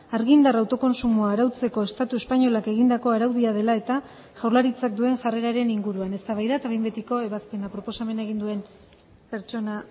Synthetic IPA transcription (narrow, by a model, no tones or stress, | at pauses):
aɾɣind̪arawt̪o̞ko̞nsumuaːɾawt͡se̞ko̞e̞st̪at̪ue̞spaɲo̞lake̞ɣind̪ako̞aɾawðiað̞e̞lae̞t̪a | ʝawrlaɾit͡sak̚d̪ue̞ŋʝare̞ɾaɾe̞niŋɡuɾuane̞st̪aβajðat̪aβembet̪iko̞e̞βaspe̞napɾo̞po̞same̞naeɣind̪ue̞n | pe̞ɾt͡ʃo̞na